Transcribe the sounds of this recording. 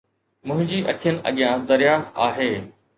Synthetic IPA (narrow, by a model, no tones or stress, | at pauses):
mʊ̃ɦɪ̃ɲd͡ʑiːʔɐkʰijənɪ̆ʔɐ̰ɠijãd̪ɐɾjaːxt̪aːɦeː